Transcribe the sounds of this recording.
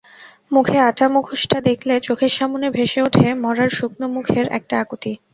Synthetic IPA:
mukʰeaʈamukʰuʃʈad̪ekʰlet͡ɕokʰeʃamonebʱeʃeoʈʰemɔɾaɾʃuk̚nomukʰeɾɛ̰k̚ʈaakot̪i

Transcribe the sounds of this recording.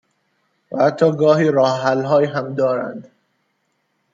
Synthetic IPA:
væhæt̪ʰːɒːɡɒːhiːɾɒːhɦælɦɒːjiɦæmd̪ɒːɾæ̰nd̪

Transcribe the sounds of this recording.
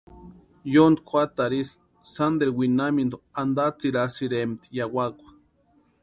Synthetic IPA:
jond̪kʷat̪aɾis | sand̪eɾwinamind̪oand̪at͡siɾasiɾemt̪i̥jawakʷḁ

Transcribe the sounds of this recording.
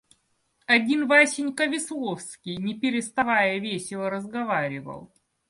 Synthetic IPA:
ɐdʲinvasʲɪnʲkəvʲɪslˠo̞fskʲɪjnʲɪpʲɪɾʲɪst̪ɐvajəvʲesʲɪlˠəɾəzɡɐvaɾʲɪvə̰lˠ

